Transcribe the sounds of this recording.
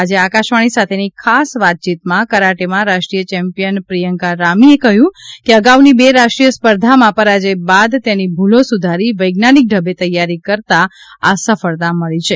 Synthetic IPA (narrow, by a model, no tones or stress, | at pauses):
ad͡ʒeakaʃʋaɽ̃isat̪ʰenikʰasʋat̪̚t͡ʃit̪mãkəɾaʈemãɾaʃʈɾijət͡ʃɛmpijənpɾijəŋkaɾamiekəɦjũkeəɡaʋnibeɾaʃʈɾijəspəɾd̪ʱamãpəɾad͡ʒebad̪t̪enibʱulosud̪ʱaɾiʋəjɡnanik̚ɖʱəbet̪əjːaɾikəɾt̪aasəfəɭt̪aməɭit͡ʃʰe